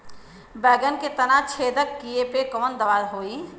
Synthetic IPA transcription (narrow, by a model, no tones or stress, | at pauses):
bɛːɡənket̪ənat͡ʃʰeːd̪əkːiepekɔːnd̪əʋaːɾɦoːi